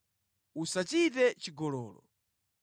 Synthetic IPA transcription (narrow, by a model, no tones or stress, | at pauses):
usat͡ʃit̬ɛt͡ʃiɡɔlɔːlɔ̰